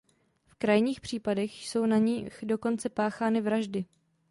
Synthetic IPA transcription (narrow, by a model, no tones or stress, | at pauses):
fkɾajɲiːxpr̝̥iːpadɛxso̞wnaɲɪxdo̞ko̞nt͡sɛpaːxaːnɪvɾaʒdɪ